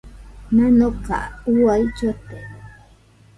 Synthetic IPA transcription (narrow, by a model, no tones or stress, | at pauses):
nanoka̰uwajt͡ʃot̪e